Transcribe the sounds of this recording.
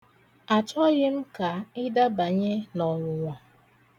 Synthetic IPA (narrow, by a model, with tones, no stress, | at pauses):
a˨t͡ʃɔ˦ɣɪ˦m̩˦ka˨ɪ˦da˦ba˨ɲe˦nɔ˨ɾʊ˨ŋʷa˨